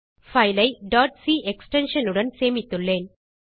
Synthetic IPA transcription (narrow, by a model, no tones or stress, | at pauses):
fɐjlɐɪɖaːʈsiːʔɛksʈɛnʂɐnɯɽɐnseːmɪt̪ːɯɭːeːn